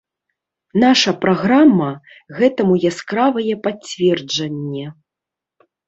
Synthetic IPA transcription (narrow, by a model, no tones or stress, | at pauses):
naʂɐpɾaɣɾamːɐ | ɣɛt̪ɐmujaskɾavɐjɛpat͡sʲvʲɛrd͡ʐɐnʲːɛ